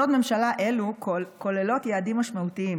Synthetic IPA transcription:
odme̞mʃalaʔe̞luko̞lelo̞t̪jaːdimːaʃmautiim

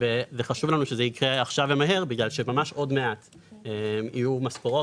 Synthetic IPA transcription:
vezeχaʃuvlanuʃezeikʁeaχʃavemaɦe̞ʁbiɡlalʃe̞mamaʃo̞dme̞at̪ | emijumaspoʁo

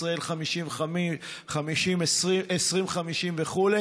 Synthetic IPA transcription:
sʁae̞lχamiʃimami | χamiʃimesʁiesʁimχamiʃimveχule

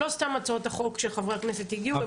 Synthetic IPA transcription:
o̞st̪amːat͡saot̪haχo̞kʃeχavʁeaknese̞t̪iɡiube

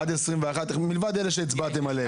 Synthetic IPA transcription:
adɛsʁimvɛaχatɪχmɪlvad̪ɛlɛʃ̬ɛit͡sbat̬ɛmale

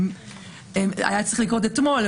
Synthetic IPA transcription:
m | ema̰jat͡sɐʁiχlikʁot̪̬et̪mol

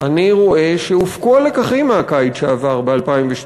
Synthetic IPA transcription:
ʔaniʁo̞e̞ʃeufkoalekaχimeakajtʃeavaʁbealpaimveʃ

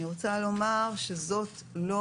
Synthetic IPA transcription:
iʁot͡salo̞maʁʃe̞zo̞tlo

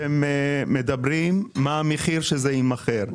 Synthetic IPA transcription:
emmːed̪abʁimːaːmeχiʁʃezeimaχeʁ

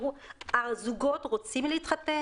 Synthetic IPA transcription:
uʔaʁzuɡotʁot͡simleit̪χat̪e

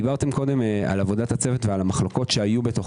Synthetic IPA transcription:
ibaʁt̪e̞mko̞de̞ma̰lavo̞dathat͡se̞vetvealamaχlo̞ko̞t̪ʃeajubeto̞χ

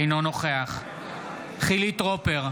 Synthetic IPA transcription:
jnono̞χeaχ | χilit̪ʁopeʁ

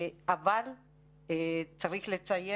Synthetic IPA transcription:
aval | et͡saʁiχle̞t͡saje

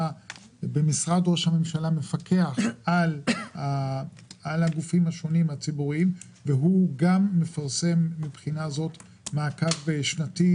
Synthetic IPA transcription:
a | bemisʁad̪ʁoʃhame̞mʃalame̞fakʰe̞aχʔala | alhaɡufimhaʃo̞nimhat͡sibuʁim | veɦuɡamːe̞faʁse̞mːibχinazo̞t | maːkavʃnati

